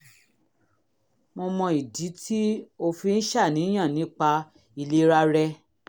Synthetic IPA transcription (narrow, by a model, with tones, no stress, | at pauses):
mo˧mɔ̃˧i˨di˨˦ti˦o˧fi˧n̩˦ʃa˦˨nĩ˨˦j̃ã˦˨nĩ˨˦k͡pa˧ | i˧le˧ɾa˧ɾɛ˧